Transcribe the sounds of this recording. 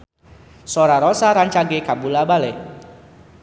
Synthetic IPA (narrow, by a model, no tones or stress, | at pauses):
soɾaɾɔsaɾaɲt͡ʃaɡekambulabale